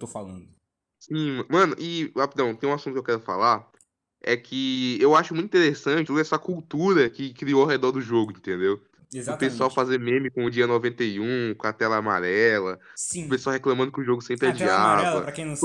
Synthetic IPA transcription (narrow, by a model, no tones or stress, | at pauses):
t̪ofalɐ̃nd̪ʊ | sĩm̃mɐ̃nʊʔɪaped̪ɐ̃w̃t̪ẽj̃ũasũt̪ʊkewkɛɾʊfa̰laɾ | ɛ̰kʰɪewaʃʊmũt̪ĩt̪eɾesɐ̃t͡ʃɪt̪ud̪ɛsɐkuwt̪uɾɐkɪkɾioawɦed̪ɔɾd̪ʊʒoɡʊĩnt̪ẽnd̪ew | ezapesuawfazeɾmẽmɪkõʊd͡ʒiɐnovẽnt̪ejũkõɐt̪ɛlɐːma̰ɾɛlɐĩʊpesuawɦeklɐ̃mɐ̃nd̪ʊkɪʊʒoɡʊsẽmpɾɪad͡ʒiavɐpɾɐẽj̃ñ